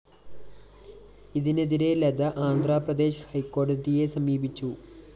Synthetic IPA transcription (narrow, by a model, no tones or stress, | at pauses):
iðine̞ðiɾe̞led̪ɐʔaːnd̪ʱraːprɐd̪e̞ːɕɐhɐjkːo̞ːɖɐdije̞sɐmiːbit͡ɕːu